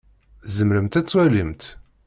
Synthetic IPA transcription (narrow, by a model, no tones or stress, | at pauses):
zəmɾəmt̪æt͡sːwælimt̪